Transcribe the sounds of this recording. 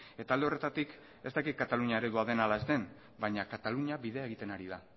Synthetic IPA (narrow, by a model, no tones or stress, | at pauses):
e̞t̪ald̪eo̞re̞t̪at̪ik | e̞st̪akit̪̚kat̪aluɲiaeɾeðuaðe̞nalae̞zt̪e̞n | bajɲakat̪aluɲiaβiðe̞e̞ɣ̞it̪e̞naɾiða